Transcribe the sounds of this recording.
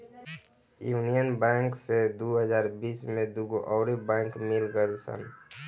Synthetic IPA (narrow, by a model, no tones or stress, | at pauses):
juːnijənbɛ̃ːŋksed̪uɦəd͡ʒaːɾbiːsmẽd̪uɡoʔɔːɾibɛ̃ːŋkmɪlɡəlsə̰n